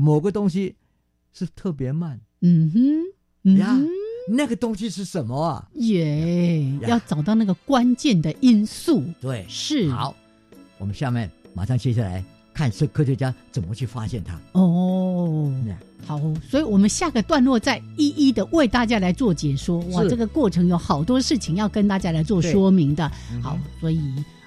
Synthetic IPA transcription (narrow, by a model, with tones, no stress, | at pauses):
mo˨˩ʊɡə˦t̪ʊ˥ŋɕi˦ | ʂɻ̩˥˩˧t̪ʰɤ˥˩pjɛ˧˥ma˥˩n | m̩˨˩m̩˥ | m̩˨ja˥˧˥na˥˩ɡə˨˩t̪ʊ˥ŋɕi˦ʂɻ̩˥˩ʂə˨˦nmə˧ɐ̰˨˩jɛ˨˩jjɑ˥˩ʊt͡sɑ˨˩ʊt̪̬ɑ˥˩ʊna˥˩ɡə˩kwa˦˥nt͡ɕjɛ˥˩nd̪ə˨ʔi˦˥nsu˥˩t̪we˥˩ɪʂɻ̩˥˩ɑ̰˨˦ʊ | wɔ˨˩mə˦nɕja˥˧mjɛ˥˨nma̰˨˩ʂɑ˥˧ŋt͡ɕʰjɛ˥ɕja˥˩la̰˧˦ɪ | kʰa˥˧nʂə˥˩kʰɕ̬ɛ˧˩t͡ɕja˦˥t͡sə˨˩nmə˦t͡ɕʰy˥˩fa̰˦˥ɕjɛ˥˩nt̪ʰa̰˦ɔ˥˧˩ | xɑ˨˩˦ʊswɔ˧˥i˨˩wɔ˨˩mə˦nɕja˥˩ɡə˩t̪wa˥˧nlwɔ˥˧t͡sa˥˧ɪi˥˧ʔi˥˩d̪ə˨we˥˩ɪt̪a˥˩t͡ɕja˥la˧ɪt͡swɔ˥˩t͡ɕjɛ˨˩ʂwɔ˥wa˥˩ʈ͡ʂɤ˥˩ɡə˩kwɔ˥˩ʈ͡ʂʰɤ˧˥ŋjo˧˥ʊxɑ˨˩ʊt̪wɔ˥ʂɻ̩˥˩t͡ɕʰi˧˥ŋjɑ˥˩ʊkə˥nt̪a˥˧˩t͡ɕja˥la˧˥ɪt͡swɔ˥˩ʂwɔ˥mi˨˥ŋd̪ə˨ | xɑ˨˩˦ʊswɔ˧˥i˨˩